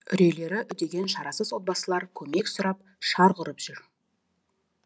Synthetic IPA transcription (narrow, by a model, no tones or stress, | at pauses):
ʏ̰ɾe̞jle̞ɾɪʔʏd̪e̞ɡʲe̞nʃɑɾɑsəzwo̞t̪̚bɑsəlˠɑɾkʲʰɵme̞ksʊɾɑp̚ | ʃɑɾqʊɾəpʒ̥ʏɾ